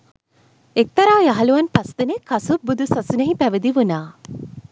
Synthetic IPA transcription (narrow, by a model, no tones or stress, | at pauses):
ek̚t̪ɐɾaːjaɦɐluʋɐnpɐst̪inekɐsubud̪ʱusɐsunɐɦipæʋid̪iʋunaː